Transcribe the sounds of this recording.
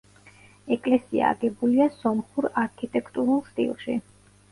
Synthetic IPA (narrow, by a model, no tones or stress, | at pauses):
ɛkʼlɛsia̰ːɡɛbuliasɔmχuɾaɾkʰit̪ʼɛkʰt̪ʼuɾulˠst̪ʼḭlˠʃi